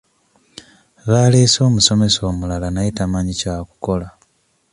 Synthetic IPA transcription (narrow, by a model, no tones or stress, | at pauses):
βaːleːso̞ːmuso̞me̞so̞ːmulalanajitamaːɲicaku̥ko̞la